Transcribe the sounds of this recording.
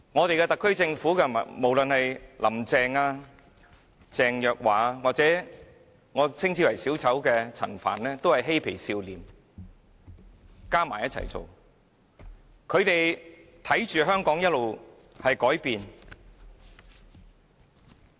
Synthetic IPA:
ŋɔː˨˧t̪e˨jkɛː˧t̪ɐ˨kʰːɵ˥ɥt͡sɪ˧ŋfuː˨˥kɛ˧˨mo˨˩wlɵ˨nhɐ˨jlʔɐ̰˨˩mt͡sɛː˧ŋaː˧ | t͡sɛː˨ŋjœː˨k̚waː˨˧waː˨k̚t͡sɛː˨˥ | ŋɔː˨˧˥t͡sʰɪ˥ŋt͡sʰiː˧˥wɐ˨˩jsiː˨˥wt͡sɐ˨˥wkɛː˧t͡sʰɐ̰˨˩nfa̰ː˨˩nlɛː˥t̪o˥whɐ˨jɦe˥jpʰe˨˩jsiː˧wliː˨m | kaː˥maː˨˩jɐ˥t̚t͡sʰɐ̰˨˩jt͡so̰˨w | kʰɵ˨˧ɥt̪e˨jt̪ʰɐ˨˥jt͡ʃyː˨ɦœː˥ŋkɔː˨˥ŋjɐ˥t̚lo˨w | hɐ˨jkɔː˨˥jpiː˨n

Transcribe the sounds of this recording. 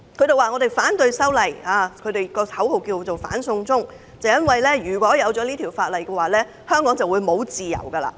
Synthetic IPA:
kʰɵ˨˧˥t̪e˨waː˨˩ŋɔː˨˧t̪e˨˩jfaː˨˥nt̪ɵ˧ɥsɐ˥wlɐ˨˩jaː˨˧kʰɵ˨˧ɥt̪e˨˩jkɔː˧hʰɐ˨˥who˨wkiː˧t͡so˨wfa̰ː˨˥nsʊ˧ŋt͡sʊ˥ŋ | t͡sɐ˨wjɐ˥nwɐ˨jlɛː˥jyː˨˩kʷɔː˨˥jɐ˨˧wt͡ʃɔ˨˥liː˥t̪ʰiː˨˩wfaː˧t̚lɐ˨jkɛː˧waː˨˩lɛː˥ | hœː˥ŋkɔː˨˥ŋt͡sɐ˨wːu˨˧jmo˨˧wt͡siː˨jɐ̰˨˩wkɐ˧la̰ː˧˩

